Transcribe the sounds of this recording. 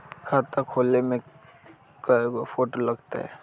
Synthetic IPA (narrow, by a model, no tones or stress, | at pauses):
kʰaːt̪akʰoːlnemẽ | kaofoːʈolɐɡt̪a̰ɦɛ̰ː